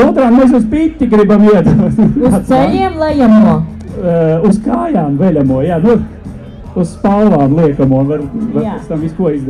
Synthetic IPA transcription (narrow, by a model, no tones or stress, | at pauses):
uːt̪ɾaːkmɛs̬uzpit̪ʲːiɡɾibamiɛd̪uɔt̪sat̪sɛʎʲiɛmlˠɛjamuɔ | uskaːjaːmvɛlʲamuɔjaːnu | uz̥spallˠaːmlˠiɛkɐmuɔʋaɾʋaɾpɛst̪amiskuɔizd̪